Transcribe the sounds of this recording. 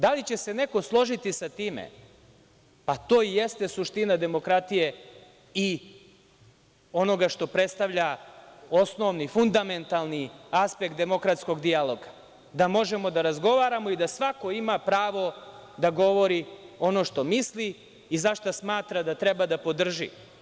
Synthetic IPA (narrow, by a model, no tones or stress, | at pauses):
d̪alit͡ɕe̞se̞ne̞ko̞slˠo̞ʒit̪isat̪iːmḛ | pat̪oːijest̪esuʃt̪inad̪e̞mo̞kɾat̪ije̞ | i | o̞no̞ɡaʃt̪o̞pɾe̞t̪st̪aʋʎaosno̞ʋnifund̪ame̞nt̪alˠniaspek̚t̪e̞mo̞kɾat̪sko̞ɡd̪ialˠo̞ɡa | d̪amo̞ʒe̞mo̞d̪aɾazɡo̞ʋaːɾamo̞id̪asʋako̞imapɾaːʋo̞d̪aɡo̞ʋo̞ɾio̞no̞ːʃt̪o̞misliː | zaʃt̪asmaːt̪ɾad̪at̪ɾebad̪apo̞d̪r̩ʒḭ